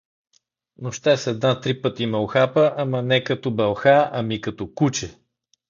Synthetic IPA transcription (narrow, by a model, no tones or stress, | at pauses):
noʃt̪ɛsɛd̪nat̪ɾipɤt̪imɐlxapəʔamənɛkɐt̪ɔbɛlˠxaɐmikɐt̪ɔkut͡ʃɛ